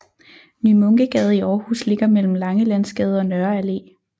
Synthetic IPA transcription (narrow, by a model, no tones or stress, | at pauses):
nymɔ̽ŋɡ̥əɡ̥ɛːð̞̩ˠiɒːhṵsle̝ɡ̥ɐmel̰m̩lɑ̈ŋəlænsɡ̥ɛːð̞̩ˠɒ̽nɶɐæle̝̰ː